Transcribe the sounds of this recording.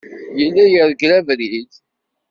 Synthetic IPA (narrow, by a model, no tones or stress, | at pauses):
jəlːæjəɾˤɡlævɾiθ